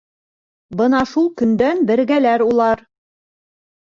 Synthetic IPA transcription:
bɤnɑʃulˠkɵ̆nd̪ænbɘ̆ɾɡælæɾulˠɑɾ

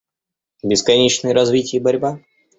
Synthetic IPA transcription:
bʲɪskɐnʲet͡ɕnɨjəɾɐzvʲitʲɪjəbɐɾʲba

